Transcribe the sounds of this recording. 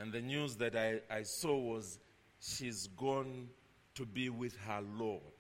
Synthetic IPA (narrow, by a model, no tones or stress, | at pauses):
ɨ̃nðɨnjuzðɨɾajajsɔwʌz | ʃizɡɔ̃n | tʰubiwɪð̥hə˞lɔd̥